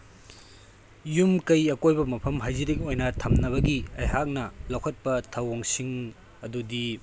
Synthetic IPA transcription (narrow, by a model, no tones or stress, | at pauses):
jumkɐjɐkojbɐmɐpʰɐmɦajziɾikojnɐtʰɐmnɐβɐɡiɐjɦak̚nɐlɐwkʰɐt̚pɐtʰɐwoŋsiŋ | ɐdudi